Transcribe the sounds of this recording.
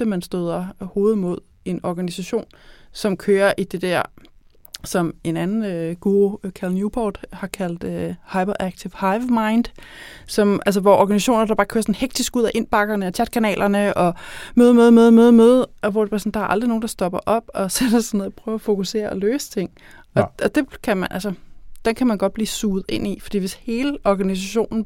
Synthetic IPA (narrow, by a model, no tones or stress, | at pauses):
əmænsd̥øð̞ˠɐho̝ːð̞̩ˠmo̝ð̞̰ˠ | e̝nɒɡ̥ænisæɕo̝̰ːnsɒ̽mkʰøːɐʔid̥e̝d̥æɐ̰ | sɒ̽me̝nænn̩ɡ̥uːokʰælnjubʰɒːd̥hɑ̈kʰæl̰d̥øhɑ̈ɪbɐʔæɡ̥̚t͡sʰifhɑ̈ɪʋmɑ̈ɪnd̥sɒ̽mʔæls̬əʋɒʔɒɡ̥ænisæɕo̝̰ːnɐd̥ɑ̈b̥ɑ̈ːkʰø̰ɐsɒ̽n̩heɡ̥̚d̥isɡ̥uð̰ˠæʔe̝nb̥ɑ̈ɡ̥ɐnəɒt͡sʰjæd̥̚kʰænɛ̰ːlʔɐnəʔɒ̽møð̞ˠmøð̞ˠmøð̞ˠmøðˠmøðˠɒʋɒd̥epʰɑsn̩d̥ɑ̈ɐʔɑ̈ld̥ʁino̝ːn̩d̥ɑ̈sd̥ɒ̽b̥ɐʔɒ̽b̥ɒ̽sed̥esɑnoð̩ˠpʰʁœːʊæfo̝kuse̝̰ːɐɒløːsə̥t͡sʰe̝ŋ̰ | ɒ̽ʔɒ̽d̥e̝kʰæmænʔælsəd̥enkʰæmænɡ̥ɒ̽d̥b̥liːsuːð̩ˠe̝n̰ifɒ̽d̥ḭːʋe̝she̝ːləʔɒɡ̥ænis̬æɕo̝̰ːnn̩